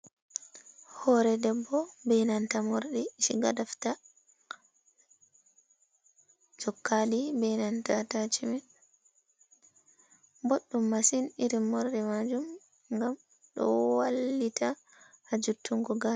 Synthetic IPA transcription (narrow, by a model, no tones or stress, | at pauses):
hɔɾɛdɛbːɔbɛnantamoɾɗɛʃiɡadafta | d͡ʒɔkːaɗibɛnantatat͡ʃimɛ | boɗːumːasiniɾimːɔɾɗɛmad͡ʒum | ŋɡam | ɗɔ̰walːita | had͡ʒutːuŋɡɔɡa